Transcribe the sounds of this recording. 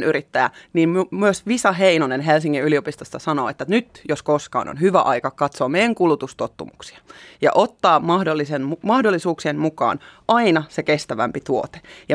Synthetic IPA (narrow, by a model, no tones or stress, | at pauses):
nʔyɾit̪ːæjæ̰niːmmmyøsʋisɑɦeinonenɦelsiŋːiyliopist̪ost̪ɑsɑno̰ːet̪ːænyt̪joskoskɑ̰ːno̰nɦyʋæʔɑikɑkɑt̪soːmejæŋkulut̪ust̪ot̪ːumuksi̥ɑ̥jɑ̰ʔot̪ːɑːmɑhdolːisenumɑhdolːisuːksienmukɑ̰ːnʔɑinɑsekest̪æʋæ̰mpit̪uot̪e̥jɑ